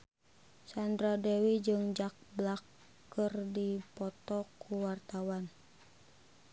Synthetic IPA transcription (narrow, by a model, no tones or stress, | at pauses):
sandɾadewid͡ʒɨŋd͡ʒak̚blakː | ərdipɔt̪ɔkʰuwart̪awan